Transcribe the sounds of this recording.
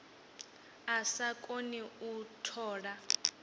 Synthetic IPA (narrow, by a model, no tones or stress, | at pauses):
asakʼoniutʰɔːɺa